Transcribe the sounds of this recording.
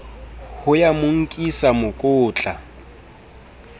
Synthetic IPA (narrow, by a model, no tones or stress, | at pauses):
hʊjamʊŋ̩kʼisamʊkʼʊːt͡ɬʼa